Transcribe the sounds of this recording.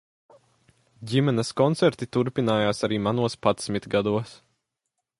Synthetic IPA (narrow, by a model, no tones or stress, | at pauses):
ɟʲimɛnɛskɔnt̪sɛɾt̪it̪uɾpinaːjaːsaɾiːmanuɔspat̪smʲit̪ɡad̪uɔs